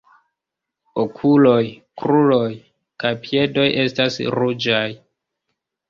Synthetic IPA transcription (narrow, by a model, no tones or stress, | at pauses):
okʰulo̞jkɾulo̞j | kajpie̞do̞jʔe̞stasɾud͡ʒaj